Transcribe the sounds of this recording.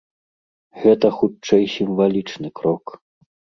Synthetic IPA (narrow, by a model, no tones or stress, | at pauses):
ɣɛt̪ɐxut͡ʂɛjsʲimvalʲit͡ʂnɨkɾɔk